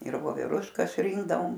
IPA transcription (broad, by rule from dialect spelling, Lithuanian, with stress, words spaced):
ɪr ʋoːʋʲɛˈrʊʃkɐs ˈrʲɪŋɡdɐʋoːm